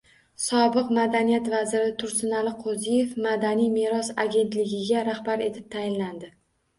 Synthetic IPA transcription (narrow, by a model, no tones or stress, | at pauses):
sɒbɨqmad̪anijat̪vazɪɾɪt̪ʰʊɾsɪnalɪqʰozije̞fmad̪anijmeɾɒsaɡʲe̞nt̪lɪɡʲɪɡʲaɾahbaɾe̞t̪ʰɪp̚t̪ʰajɪnland̪ɪ